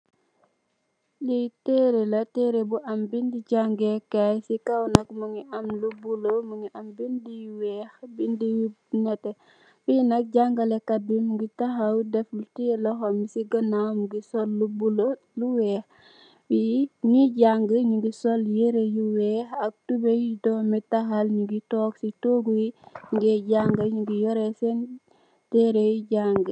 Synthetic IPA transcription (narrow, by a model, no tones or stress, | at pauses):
liteɾelɐtɛːɾebuʔɐmbindiɟaŋɡɛkajsikɐwnɐkmuŋiʔɐmlubulomuŋiʔɐmbindijuwɛːxbindij | nɛtɛ | finɐk̚ɟaŋɡɐlɛkɐbimɡitɐxɐwdɛfultijɛlɔxɔmisiɡənamɡisɔlːubulo | luwɛːx | wiɲiɟaŋɡəɲuɡisoljeɾejuwɛːxɐk̚tubejidɔmitaxalɲuɡitɔksitoɡujiŋɡeɟaŋɡaɲuɡijoɾesen | tɛɾejiɟaŋɡə